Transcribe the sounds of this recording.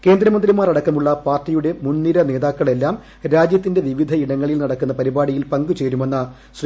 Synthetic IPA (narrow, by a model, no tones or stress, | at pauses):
ke̞ːnd̪ɾɐmɐnd̪ɾimaːɾɐɽɐkːɐmuɭːɐpaːrtːijuɽe̞munːiɾɐne̞ːðaːkːɐɭe̞lːaːm | ɾaːd͡ʑjɐt̪ːinde̞ʋiʋid̪ʱɐiɽɐŋːɐɭilnɐɽɐkːunːɐpɐɾibaːɽijilpɐŋɡut͡ɕeːɾumenːɐ | ɕr